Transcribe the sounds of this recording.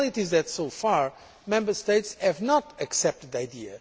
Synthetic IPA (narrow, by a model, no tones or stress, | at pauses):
lˠit̪izðɨtsofaɹ | mɛ̃mbə˞steɪtshɨvnɔt̪ɨksɛp̚t̪ɨd̪ajd̪iɨ